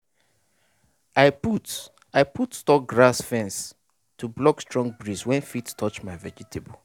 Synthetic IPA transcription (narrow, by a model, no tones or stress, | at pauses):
aɪput | aɪpʰutstɔk̚ɡɹasfɛ̃ns | tʰublɔkstɹɔ̃ŋɡ̚bɹizwɛ̃nfitstʰɔt͡ʃmaɪvɛd͡ʒitʰebo